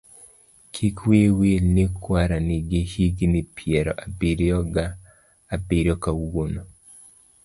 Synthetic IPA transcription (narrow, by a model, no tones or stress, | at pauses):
kʰikwewelnikʰwaɾaniɡehiɡnipʰjɛɾɔ̰ʔabiɾjɔɡaː | biɾjɔkauɡono